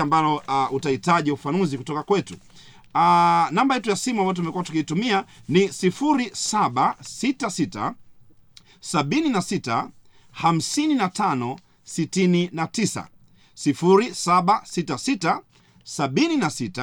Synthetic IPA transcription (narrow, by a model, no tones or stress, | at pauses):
ambalɔutaitaʄiufanuzikutɔkakwɛtu | anambajɛtujasimuamajɔt̬umɛkuwatu̥kiitumianisifuɾisaɓasitasita̰ | saɓininasita̰ | ham̩sininatanɔ | sitininatisa̰ | sifuɾisaɓasitasita | saɓininasita